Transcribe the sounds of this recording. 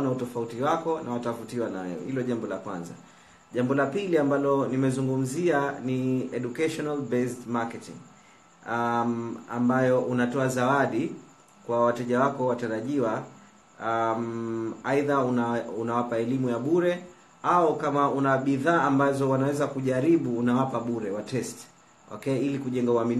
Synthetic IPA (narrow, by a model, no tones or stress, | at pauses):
nautɔfautiwakɔnawatavutiwanawɛ̰wɛ̰hilɔʄambɔlakwa̰nza̰ | ʄambɔlapiliambalɔnimɛzuŋɡum̩zianiɛɗukaʃɔnalbɛstmakɛtḭŋ | a̰mbajɔʔunatɔazawaɗi | kwawatɛʄawakɔwataɾaʄiwa | maiðauunawapaɛlimujaɓuɾɛ | aukamaunaɓiðaːʔambazɔwanawɛzakuʄaɾiɓuːnawapaɓuɾɛwatɛst | wʔa̰kɛilikuʄɛŋɡauamin